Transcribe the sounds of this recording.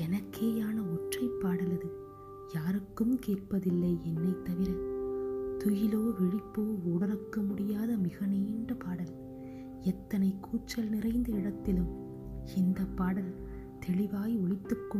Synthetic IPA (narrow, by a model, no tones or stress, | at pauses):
ɛnɐkʰːeːjaːnɐɔʈrɐɪpːaːɽɐlɐðɯ | jaːɾɯkːɯmkeːr̚pɐðɪlːɐɪɛnːɐɪt̪ːɐʋɪɾɐ | t̪ʊjɪloːʋɪɻɪpːoːuːɽɐɾɐkːɐmʊɽɪjaːðɐmɪɣɐneːɳɖɐpaːɽɐl | ɛt̪ːɐnɐɪkʰːuːt͡ʃːɐlnɪrɐɪnd̪ɐɪɽɐt̪ːɪlɯm | ɪnd̪ɐpːaːɽɐl | t̪ʰɛɭɪʋaːjiɔɭɪt̪ːɯkːɯ